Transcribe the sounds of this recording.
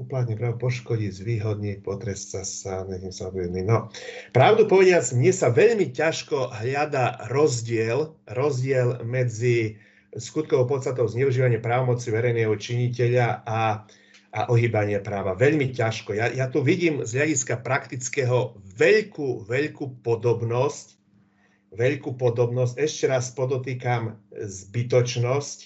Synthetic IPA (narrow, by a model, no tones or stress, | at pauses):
uplat̪ɲɛpɾapɔʃkɔɟizʋiːɦɔd̪ɲipɔt̪ɾɛst͡saaɲɛcɛmsaɔʋiɔd̪ninɔpɾaʊd̪upɔʋɛɟɪad͡zmɲɪɛsaʋɛʎmicaʃkɔɦʎad̪aɾɔzɟɪɛlɾɔzɟɪɛlmɛd͡zi | skut̪̚kɔʊpɔt̪st̪at̪ɔʊzɲɛuʒiːʋaɲɪɛpɾaːʋɔmɔt͡siʋɛɾɛjnɛːɦɔt͡ʃiɲicɛʎaa | ʔaʔɔɦiːbaɲɪɛpɾaːʋaʋɛʎmicaʃkɔjajat̪uʋiɟiːmzɦʎaɟiskapɾakt̪it͡skɛɦɔʋɛʎkuʋɛʎkupɔd̪ɔbnɔsc | ʋɛʎkuːpɔd̪ɔbnɔscɛʃcɛɾaspɔd̪ɔt̪iːkamzbit̪ɔt͡ʃnɔsc